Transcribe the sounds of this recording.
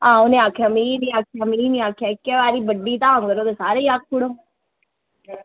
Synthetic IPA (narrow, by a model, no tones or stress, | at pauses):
ãːonẽːaːkʰjaːminĩːaːkʰjaːminĩːaːkʰjaːɪkːeːʋaːɾiːbəɖːiːt̪ãːŋɡəɾoːd̪eːsaːɾeːiːaːk̚ʰpuɽoː